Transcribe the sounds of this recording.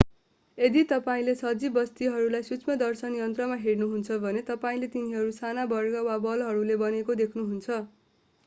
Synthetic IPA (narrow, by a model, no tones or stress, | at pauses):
ed̪it̪ʌpaĩlesʌd͡zibʌst̪iɦʌɾulajsut͡smʌd̪ʌrsʌnjʌnt̪rʌmaɦeɽnuɦunt͡sʰʌbʱʌnet̪ʌpaĩlet̪iniɦʌɾusanabʌrɡʌwabʌlɦʌɾulebʌnekod̪ekʰnuɦunt͡sʰʌ